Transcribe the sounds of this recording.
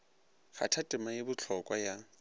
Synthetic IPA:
χa̰tʰatʼɪmajɪbʊt͡ɬʰɔkʼwaja

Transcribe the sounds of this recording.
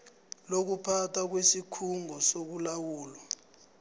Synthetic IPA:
lok̬upʰatʰak̬wesikʰuŋɔsok̬ulawuːlɔ

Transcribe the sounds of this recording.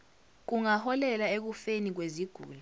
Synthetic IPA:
k̬uŋahɔlɛlaek̬ufenik̬weziɡ̥ʱṵːlɛ

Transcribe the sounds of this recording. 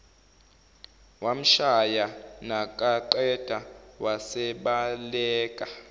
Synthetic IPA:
wam̩ʃajanakʼaǃɛd̥ʱawasɛɓalɛːkʼa

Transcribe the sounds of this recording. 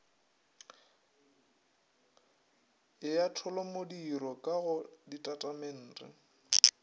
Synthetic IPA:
ɪjatʰɔlɔmodiɾɔkʼaɣʊditʼatʼamen̩ːrʼɪ̰

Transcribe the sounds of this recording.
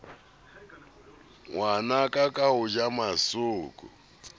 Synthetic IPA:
wanakʼakʼaʊd͡ʒamasuːkʼʊ̰

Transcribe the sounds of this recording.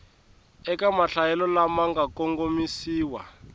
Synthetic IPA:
ɛkamaɬajɛlɔlamaŋɡakɔŋɡomisiːwa̰

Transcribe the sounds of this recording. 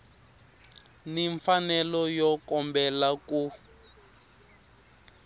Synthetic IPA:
niɱfanɛlɔjɔkɔmbɛlaku

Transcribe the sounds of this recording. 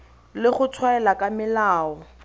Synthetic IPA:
lɪχʊtʰwaɛlakamɪlaːɔ

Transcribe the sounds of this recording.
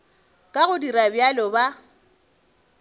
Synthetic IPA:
kʼaɣʊdiɾabjalɔba

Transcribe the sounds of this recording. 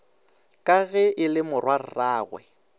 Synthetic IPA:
kʼaɣɛʔɪlɪmʊrwar̩raːɣwɛ̰

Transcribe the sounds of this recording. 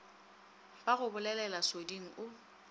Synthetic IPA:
baɣʊbʊlɛlɛlasodiŋ̩ʔʊ

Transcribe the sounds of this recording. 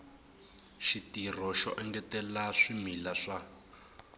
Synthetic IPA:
ʃitir̤ɔʃɔ̰ʔɛŋɡɛtɛlaʂimilaʂa

